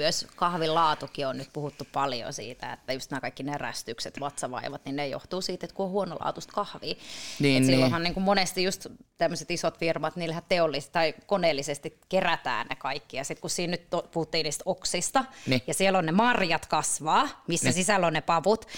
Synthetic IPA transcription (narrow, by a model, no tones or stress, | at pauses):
yøskɑhʋillɑːt̪ukionnyt̪puhut̪ːuppɑljo̰sḭːt̪æ̰ḛt̪ːæjust̪næːkɑikːineræ̰st̪ykset̪ʋɑt̪sɑʋɑ̰iʋɑt̪ninnejo̰ht̪uːsiːt̪et̪kuohuono̰lɑ̰ːt̪ust̪kɑhʋiːɑsilːohɑniːŋkummonest̪ijust̪t̪emːøset̪isot̪firmɑt̪niːlhætt̪eolːist̪ːɑikoneːlːisest̪ikkeræt̪æ̰ːnnḛkɑikːijɑsit̪kussiːnnyt̪opuhut̪ːiːniːst̪oksist̪ɑjɑsielːonnemɑrjɑt̪kɑsʋɑːmisːæsisælːonnepɑʋut̪